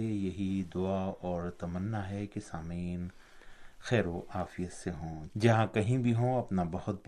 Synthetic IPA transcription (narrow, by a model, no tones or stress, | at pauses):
ejɐɦid̪ʊaɔːɾt̪ɐmənːaɦɛkesaːmiːn | xɛːɾoʔaːfijət̪seɦõːd͡ʒɐɦãkɐɦĩbʱiɦõɐpnabɐhʊt̪̚b